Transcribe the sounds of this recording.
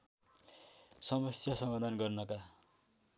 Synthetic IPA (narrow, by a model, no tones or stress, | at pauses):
sʌmʌsjasʌmad̪ʱanɡʌrnʌka